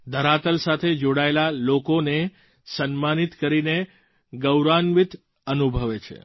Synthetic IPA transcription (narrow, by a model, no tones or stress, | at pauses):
d̪ʱəɾat̪əlsat̪ʰed͡ʒoɽaelalokone | sənmanit̪kəɾine | ɡəwɾanʋit̪ | ənubʱəʋet͡ʃʰḛ